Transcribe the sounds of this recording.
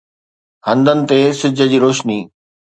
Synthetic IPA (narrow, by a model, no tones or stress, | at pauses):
hɐ̃nd̪ənɪ̆t̪esɪd͡ʑʱə̆d͡ʑiːɾoːʃniː